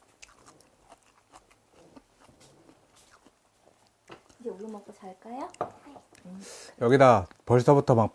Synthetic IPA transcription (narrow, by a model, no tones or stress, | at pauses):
id͡ʑeoɾumʌk͈ot͡ɕaɭk͈ajo | jʌɡida | pʌɭsʰʌbutʰʌmak̚p